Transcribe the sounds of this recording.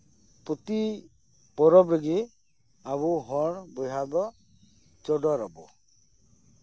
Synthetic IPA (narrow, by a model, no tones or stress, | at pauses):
put̪i | pɔɾɔbɾeɡe | abuɦɔɽbɔjɦab̪ɔ | t͡ʃɔɖɔɾɔbɔ